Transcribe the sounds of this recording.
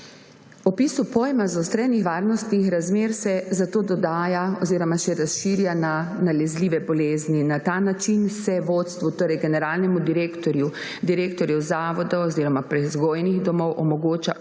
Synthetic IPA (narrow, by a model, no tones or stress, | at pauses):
ɔpiːsupoːjɛmazɔst̪ɾɛnixʋaːɾnɔst̪nixɾazmeːɾsɛzat̪oːd̪ɔd̪aːjaɔziːɾɔmaʃɛɾasʃiːɾjananalɛzliːʋɛbɔleːzninat̪anat͡ʃinsɛʋoːt̪st̪ʋut̪oːɾɛjɡɛnɛɾaːlnɛmud̪iɾeːkt̪ɔɾju | d̪iɾeːkt̪ɔɾjɛwzaːʋɔd̪ɔwɔziːɾɔmapɾɛzɡoːjnixd̪ɔmɔwʔɔmɔɡoːt͡ʃa